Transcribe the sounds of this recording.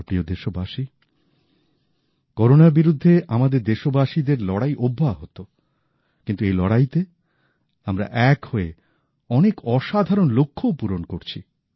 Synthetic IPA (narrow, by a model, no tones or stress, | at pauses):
pɾiod̪eʃobaʃi | kɔɾonaɾbiɾud̪ʱːeʔamad̪eɾd̪eʃobaʃid̪eɾlɔɽajʔobʱːaɦot̪o | kint̪uejlɔɽajt̪e | amɾa̰ʔɛkhoe | ɔnekʰɔʃad̪ʱaɾonlokʰːopuɾonkoɾt͡ɕʰi